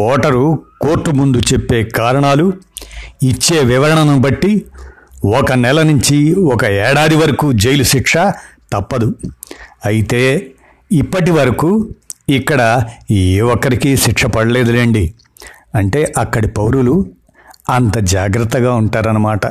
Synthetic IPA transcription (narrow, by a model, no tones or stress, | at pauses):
ɔːʈɐɾukoːɾʈːumund̪ut͡ʃepːe̞ːkaːɾɐɳaːlu | it͡ʃːe̞ːʋiʋɐɾɐɳɐnɐmbɐʈːi | ɔkɐnɛlɐnuɲt͡ʃiɔkɐɛːɽaːd̪iʋɐɾɐkuːd͡ʒejluʃikʂɐt̪ɐpːɐd̪u | ɐjit̪e̞ː | ipːɐʈ̬iʋɐɾɐkuːikːɐɽɐeːʋɔkːɐɾikiːʃikʂɐpɐɽɐlɛːd̪ɐleːɳɖi | ɐɳʈe̞ːʔɐkːɐɽipɐwɾulu | ɐnt̪ɐd͡ʒaːɡɾɐt̪ːɐɡaːuɳʈaːɾɐnɐmaːʈɐ